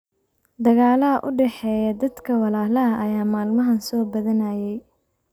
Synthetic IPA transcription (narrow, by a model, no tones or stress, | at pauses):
d̪ɐɣaːlɐɦɐʔʊɖɛħɛːjɐd̪ɐd̪kʰɐwɑlaːlɐɐʔɐjaːmaːlmɐɦɐnsɔːbɐðɐnɐjɛj